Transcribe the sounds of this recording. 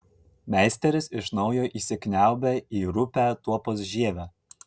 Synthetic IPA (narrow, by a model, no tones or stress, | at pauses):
mʲæˑɪsʲt̪ʲɛɾʲɪsɪʃnɒʊjoːʔiːsʲɪkʲnʲæˑʊbʲæiːɾʊpʲæːˑt̪uɔpoːs̬ʒʲiɛʋʲæ